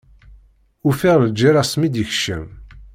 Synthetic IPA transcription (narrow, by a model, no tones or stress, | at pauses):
ufiʁləd͡ʒːiɾˤasmid̪əçə̥ʃə̰m